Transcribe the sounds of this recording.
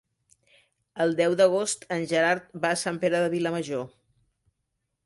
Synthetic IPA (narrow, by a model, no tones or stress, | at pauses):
əlˠd̪ɛwd̪əɣ̞ost̪ənʲʒəɾaɾt̪̚baːsampeɾəðəβiləməʒo